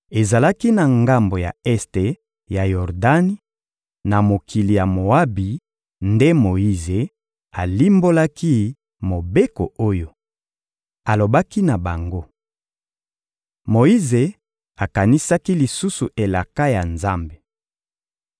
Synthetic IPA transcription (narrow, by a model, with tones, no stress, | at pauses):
e˨za˨la˦ki˦na˨ŋɡa˦mbo˨ja̰˨ɛ˦ste˨ | ja˨jɔ˨ʁda˦ni˦ | na˨mo˨kʰi˨li˨ja˨mo˨a˦bi˨ | nde˦mo˨i˦ze˨ | a˨li˦mbo˦la˦ki˦ | mo˨be˦ko˨o˦jo˦ | a˨lo˨ba˦ki˦na˨ba˨ŋɡo˦ | mo˨i˦ze˨ | a˨ka˨ni˦sa˦ki˦li˨su˦su˨ʔe˨la˨ka˦ja˨nza˦mbe˨